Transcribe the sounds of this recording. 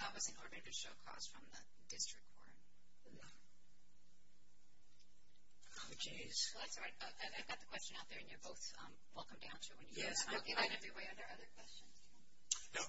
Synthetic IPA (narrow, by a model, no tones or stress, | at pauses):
aɪwʌzɨ̃nɔɹɾə˞ɾɨɾɨʃoʊkʰɔ̰sfɹʌ̃mðə | dɪstɹ̥ɨk̚kʰɔ̰ɹɨ̃n | t͡ʃe | z̥lˠɨtsɹaɪʌaɪaɪvɡɑt̪̚ðəkʰw̥ɛst͡ʃɨ̃naʊt̪̚ðə˞ɨ̃njə˞boʊθ | ʌ̰̃mwɛlˠkə̃m̩dã̰ʊ̃ntʰɨwɨ̃njɨjɡɪãnɛvɹiweɪʌ̃ndə˞ʔʌðə˞kʰw̥ɛst͡ʃɨ̃nz̥ | noʊ